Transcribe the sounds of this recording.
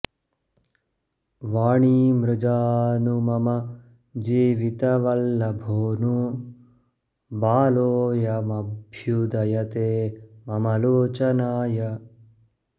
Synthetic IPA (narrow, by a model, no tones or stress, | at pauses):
ʋaːɳiːmɾɪd͡ʒaːnumɐmɐ | d͡ʒiːʋit̪ɐʋɐlːɐbʱoːnu | baːloːjɐmɐbʱjud̪ɐjɐt̪eːmɐmɐloːt͡ʃɐnaːjɐ